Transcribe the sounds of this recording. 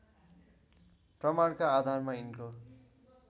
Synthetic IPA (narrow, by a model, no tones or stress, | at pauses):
prʌmaɽkaːd̪ʱarmainko